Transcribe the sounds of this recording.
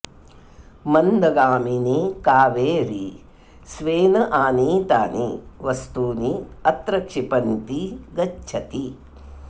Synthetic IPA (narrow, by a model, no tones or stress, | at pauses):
mɐnd̪ɐɡaːminikaːʋeːɾḭ | sʋeːnɐʔaːniːt̪a̰ːnḭʋɐst̪uːniɐt̪ɾɐkʂipɐnt̪iɡɐt͡ʃːt͡ʃʰɐt̪i